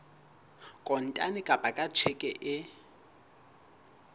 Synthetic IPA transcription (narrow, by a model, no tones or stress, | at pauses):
kʼɔn̩tʼa̰nɪkʼabʼakʼat͡ʃʰɛkʼɛʔɪ